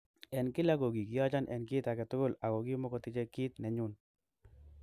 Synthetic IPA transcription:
ɛ˨nkɪ˦la˦ɡo˨ɡi˨ki˨ja˦t͡ʃa˦nʔɛ̰˨nkɪ˦t̪a˨kɛ˨t̪ʊ˦ɡʊ˦˨la˨ɡo˨ɡi˦mɔ˦kɔ˨t̪ɪ˦t͡ʃɛ˦kɪ˦t̪nɛ˨ɲʊ˦n

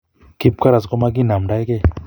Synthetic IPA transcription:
ki˦p̚ka˦ɾa˨skɔ˦ma˦ɡ̬i˦na˨mɖa˦jkɛ˦˨

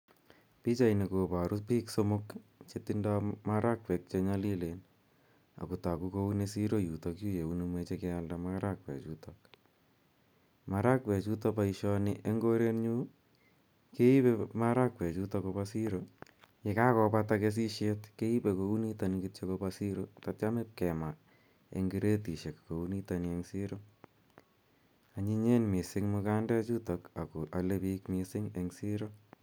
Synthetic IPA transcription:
pi˦t͡ʃa˨ine˨kopa˨ɾʔu˦piː˦ksomokt͡ʃetindamaɾʔa˦k̚wɛ˨k̚t͡ʃeɲali˦len | a̰˨ku˨ta˨ku˦ko˦u˦nesiɾo˦jutokju˦je˨unimwet͡ʃe˦ke˦aldamaɾa˦k̚wɛ̰˨t͡ʃutok̚ | ma˦ɾa˦kwɛ˨t͡ʃu˦tɔ˧paiʃɔ˧nɪʔe˦ŋɡo˦ɾe˦nɲu˦ | ke˦i˦pema˦ɾa˦kwe˨t͡ʃu˦to˧ko˧pasi˦ɾo˨ke˨ka˦kɔ˧pa˧take˧s̬i˦ʃe˦tke˦i˦pe˨ko˨u˦ni˦ta˨ni˨ki˦t͡ʃe˦ko˧pasi˦ɾo˦tat͡ʃa˦me˦p̚kɛ˨ma˨ | ḛ˨ŋɡi˦ɾe˦ti˨ʃe˨kko˨u˦ni˦ta˨nɪ˨e˦ŋsi˦ɾo˦ | a˨ɲi˦ɲe˦nmi˨sɪ˦ŋmʊ˧ka˦ndɛ˦t͡ʃu˦to˨ka˨ko˨ʔa˨le˦pikmɪ˨sɪ˦ŋe˨ŋsi˦ɾo˦

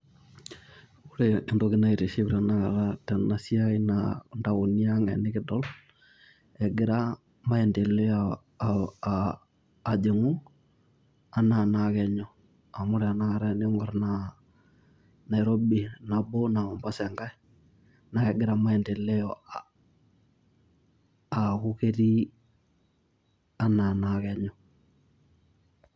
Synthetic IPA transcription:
ʊ˦ɾe˨ndo˦kɪ˦na˦i˨ɾe˨ʃi˦bɾa˨na˦ka˨ɾa˦tɛ˨na˨si˦a˦i˦na̰nda˨wo˨ni˦a˦ŋa˨nɪ˦kɪ˦dɔ˦l | ɛ˨ɡɪ˨ɾa˦ | ma˦ɛ˨nde˨le˦a˨ | d͡ʒe˨ŋu˦ | a˦na˨na˨kɛ˨ɲɔ˦ | a˨mʊ˦ɾɛ˨a˨na˦ɣa˨ɾɛ˦nɪ˦ŋɔ˨ɾna | na˨ɪ˨ɾo˦bi˨na˨bo˦na˨ma˨mbɔ˦sɛ˨ŋɡa˦i˦ | na˨kɛ˨ɡɪ˦ɾa˦ma˦ɛ˨nde˨lɛ˦ɔ˨ | a˨kʊ˦ke˦ɾi˦ | a˦na˨na˦kɛ˦ɲɔ˦

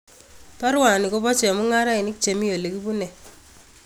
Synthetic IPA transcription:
pa˦ɾwa˨ni˨ko˦pɔ˦t͡ʃɛ˨a˨mu˦ŋa˦ɾa˦ɪ˨nɪ˦k̚t͡ʃe˨mi˦jo˨le˨ki˦bu˦nɛ˨

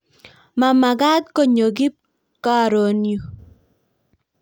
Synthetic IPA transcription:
ma˨ma˨ɡa˦d̪̚ko˦ɲo˨ɡi˦p̚ | ka˦˨ɾo˨nju˨

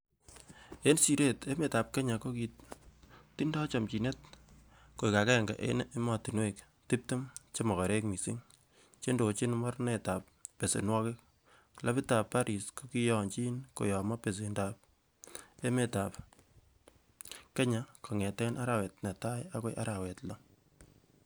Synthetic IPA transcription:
e˦nsi˨ɾe˦te˦me˨ta˨p̚ke˦ɲa˨ko˦ki˨t | ti˦ndɔ˦t͡ʃa˨mt͡ʃi˨ne˦t | ko˨i˨ka˨kɛ˦˨ŋɡa̰˨ʔḛ˦ne˦mɔ˨ti˨nwek | ti˦p̚te˦mt͡ʃe˦mɔ˨kɔ˨ɾe˦kmi˨si˦ŋ | t͡ʃe˦ndo˨t͡ʃi˦nmɔ˦rne˨ta˨pː | e˨sḛ˨nwɔ˦kɪ˦k̚ | la˦pi˦ta˨pːa˦ɾi˨sko˦ki˦jɔ˨nt͡ʃi˦nko̰˨jɔ˨ma˦pe˨s̬e˨ndap̚ | e˦me˨ta˨p | ke˦ɲa˨kʰo˨ŋɛ˨tɛ˦nʔa˦ɾa˦wɛ˨tne˨ta˦ja˦ke˦ʔa̰˦ɾa˨wɛ˨tlɔ˦

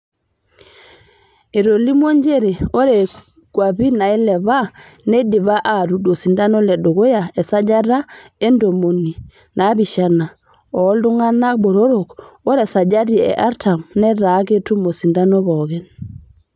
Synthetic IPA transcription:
e˨ɾo˨li˦mo˦ɲd͡ʒe˦ɾe˨o˦ɾɛ˨ | ɡ̥wa˨bi˦na˨i˦lɛ˨βa˦ | nɛ˦di˨βa˦ʔa˨ɾu˨do˨si˨nda˦nɔ˦lɛ˨do˨ɡo˦ja˨ɛ˨sa˦d͡ʒa˦ɾa˦e˦ndo˨mo˨ni˨ | na˨˦bi˨ʃa˦na˨ | ɔ˨˦ldu˦ŋa˦na˦k̚bo˨ɾo˦ɾo˨ko˦ɾɛ˨sa˨d͡ʒa˦ɾi˨ɛ̰˨ʔa˦ɾtʰa˨mnɛ˦ɾa˨˦ke˦tu˦mo˨si˨nda˦nɔ˦βɔ˨ɡɛ˨n

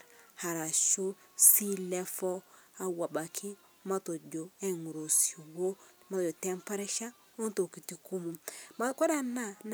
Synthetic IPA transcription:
ha˨ɾa˨ʃo˦si˦lɛ˦fɔ˦a˨wa˨ba˨kʰi˦ | ma˦to˨d͡ʒo˨ɛ˦ŋu˨ɾo˨si˨wo˦ma˦to˨d͡ʒo˨tɛ˦mpa˦ɾɛ˦ʃa˦ | o˦nto˨ki˨ti˨ku˦mu˨ma˦kɔ˦da˦na˦n

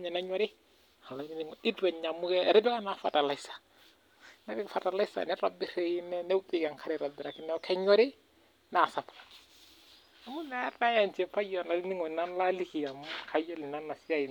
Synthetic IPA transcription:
ɲa˨na˦ɲɔ˦ɾɪ˦ | a˨la˨˦ni˦ni˦ŋɔ˨i˦dwɛ˨ɲa˨mu˦kɛ˦˨ɾɛ˦bɛ˦ka˦na˨fa̰˨ta˨la˨i˦sḁ˨ | nɛ˦bɪ˦kfa˨ta˨la˦sa̰˨nɛ˦ɾa˨bi˦ɾe˦ji˦nɛ˦nɛ˦u˦pʼɪ˦ɡa˨ŋkʰa˦ɾi˨ɾa˨bɪ˨ɾa˨ki˦nɛ˦ɔ˦kɛ˦ɲɔ˦ɾɪ˦ | na˨sa˨pa | a˨˦mu˦nɛ˦na˦ja˨nt͡ʃɛ˨pa˦jɔ˨na˨li˦ni˦ŋɔ˨na˦nla˦li˦ki˨ja˨m˦kʰa˦jɔ˦li˨na˦nːa˨si˦a˦i˨

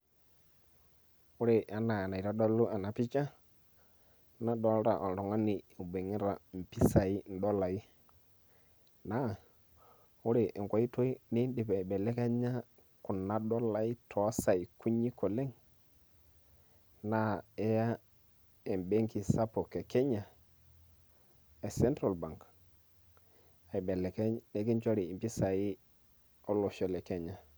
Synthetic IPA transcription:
u˦ɾe˨ʔa˦na˨a˨na˨i˨ɾa˦dɔ˦lu˦a˨na˨pi˦t͡ʃa˦ | na˦dɔ˨˦lɾa˨ʔɔ˨n˨ɾɔ˨ŋa˦ni˨be˨ŋi˦ɾa˨m̩˨pi˦sa˨i˦n̩˨dɔ˦la˨i˦ | na˦˨ | u˦ɾe˨ʔe˨ŋkʷa˨i˦to˦i˦ni˦n˦di˨bɛ˨bɛ˨lɛ˦ka˦ɲa˦ | ku˨nːa˦do˦la˨i˦tʰo˨˦sa˨i˨ku˦ɲi˦ko˨le˦ŋ | na˦˨e˦ja˦ | e˨mbe˦ŋki˨sa˦po˨ke˨ke˦ɲa˨ | e˨se˦ntɾa˨lba˨ŋk | a˨i˨be˨le˨ke˦ɲne˦ki˦t͡ʃo˦ɾi˨i˨pi˦sa˨ji˦ | o˦lo˨ʃo˨le˨ke˦ɲa˨

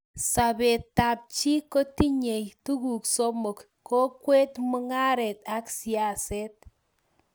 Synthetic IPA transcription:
sa˨bɛ˨ta˨p̚t͡ʃi˦ko˦ti˦ɲe˨jtu˦ku˨kso˦mɔ˨k | ko˦kwe˦tmʊ˦ŋa˦ɾɛ˨ta˦ksi˨a˨sɛ˦t̚

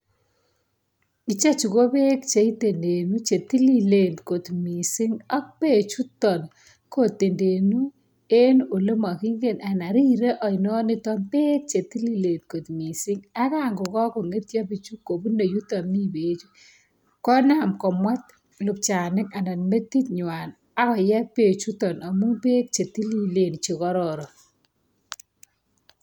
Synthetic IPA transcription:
i˨t͡ʃa˦t͡ʃu˨ko˦be˦kt͡ʃe˨i˦te˨nde˨nu˦t͡ʃe˨ti˦li˦le˨ntko˨t̪mi˨sɪ˦ŋɔ˦k̚pe˦t͡ʃu˦tɔ˨n | ko˦˨te˨nde˨nu˦ | e˦no˨le˦ma˨ki˦ŋɡe˨na˨na˨ɾi˦ɾe˦ʔɔ˨nɔ˦nɪ˦tɔ˦npe˦k̚t͡ʃe˨ti˦li˦le˨nko˨t̪mi˨sɪ˦ŋa˦ka˦˨ŋɡʊ˨kɔ˦ko˨ŋe˦t̪ja˦bi˦t͡ʃu˦ko˨bu˦no˨ju˦tɔ˨mni˦be˨t͡ʃu˦ | kɔ˦na˨mkɔ˨mwa˦t̪̚ | lʊ˨p̚t͡ʃa˨nɪ˦ka˨nda˨n˨me˦t̪ːi˦t̪ɲwa˨n | a˦kɔ˨jɛ˦k̚pe˨t͡ʃu˦tɔ˨na˨mu˦ŋpe˦k̚t͡ʃe˨ti˦li˦le˨nt͡ʃi˨kɔ˦ɾɔ˨ɾɔ˨

